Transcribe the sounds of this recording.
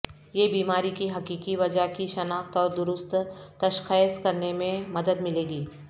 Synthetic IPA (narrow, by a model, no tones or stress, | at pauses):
jeːbiːmaːɾikiɦɐkiːkiʋɐd͡ʒaɦkiʃɐnaːxt̪ɔːɾd̪ʊɾʊst̪t̪ɐʃxeskɐɾnemẽmɐd̪əd̪mɪleːɡiː